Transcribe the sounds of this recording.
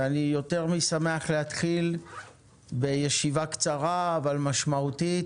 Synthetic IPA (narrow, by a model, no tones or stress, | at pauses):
anijo̞te̞ʁmisameaχlehat̪χil | bejeʃivakt͡saʁaːvalmaʃmaut̪i